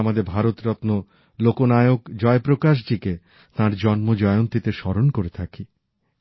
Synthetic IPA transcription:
amad̪eɾbʱaɾot̪ɾɔt̪no | lokonajoɡd͡ʑɔepɾokaʃ̬d͡ʑike | t̪ãɾd͡ʑɔnmod͡ʑɔeont̪it̪eʃɔɾonkoɾet̪ʰaki

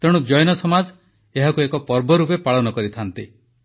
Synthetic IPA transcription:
t̪eɽ̃ud͡ʒɔjnɔsɔmad͡ʒ | eɦakuekɔpɔɾbɔɾupepaɭɔnɔkɔɾit̪ʰant̪i

